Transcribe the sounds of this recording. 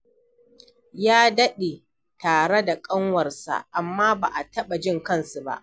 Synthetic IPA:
jaː˦dɐ˦ɗe˨ | taː˨ɽe˦da˨kʼɐ˦ŋwɐ˨rsa̰˨ʔa˨mːaː˦ba̰ː˨ʔa˨tɐ˦ɓa˨d͡ʒɪ˦ŋkɐ˦˨nsu˨ba̰˦ʔ

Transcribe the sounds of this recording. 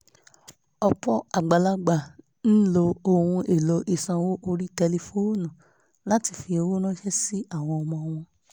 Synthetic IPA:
ɔ˧k͡pɔ˦a˨ɡ͡ba˨la˧ɡ͡ba˨ | ñ̩˦lo˧o˧hũ˧e˨lɔ˨˧ʔi˨sã˧wo˦ʔo˧ɾi˦tɛ˧le˧fo˦nũ˨ | la˨˦ti˧fi˧o˧wo˦nã˦ʃɛ˦si˦a˦˨w̃ɔ̃˧ɔ˧mɔ̃˧ɔ˧w̃ɔ̃˧

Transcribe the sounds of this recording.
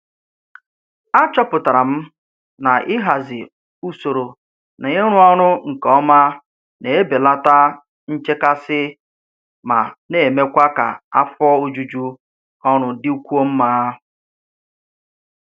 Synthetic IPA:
a˦t͡ʃɔ˦pʊ˨ta˨ɾa˨m̩˦ | na˨ʔɪ˦ɦa˨zɪ˨ | u˦so˨ɾo˨ | na˨ɲe˦ɾʊ˦ɔ˦ɾʊ˦ŋ̩˨kɔ˦ma˦ | ne˨e˦be˨la˦ta˦ | n̩˦t͡ʃe˦ka˦sɪ˦ | ma˨ne˨me˦kʷa˦ka̰˨a˦fɔ˦o˦d͡ʒu˦d͡ʒu˦ | ɔ˦ɾ̃ʊ˨dɪ˦u˦kʷu˦o˦m̩˦ma˦

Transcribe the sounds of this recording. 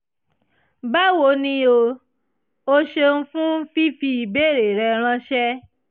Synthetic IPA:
ba˦wo˧˦nĩ˧˦o˧ | o˧ʃe˧n̩˦fũ˦fi˦fi˧i˨be˦˨ɾe˨ɾɛ˧˨ɾ̃ã˦ʃɛ˦

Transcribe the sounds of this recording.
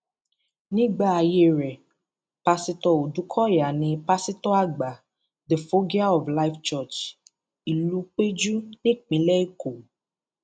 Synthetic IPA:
nĩ˦ɡ͡ba˦˨a˨˧je˦˨ɾɛ˨ | pa˧si˧tɔ˧o˨du˨˦kʰɔ˦ja˨nĩ˧pa˧si˦tɔ˦a˦ɡ͡ba˨ | de˨fo˦ɡi˦a˦ɔ˨vla˦ft͡ʃɔ˦˨t͡ʃ | i˨lu˧k͡pe˦d͡ʒu˦nĩ˦˨k͡pĩ˨˦lɛ˦i˦ko˨

